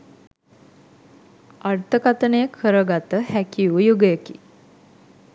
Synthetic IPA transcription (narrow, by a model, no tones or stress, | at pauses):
art̪əkat̪ənəjəkʰːəɾəɡat̪əhækiujuɡəjəki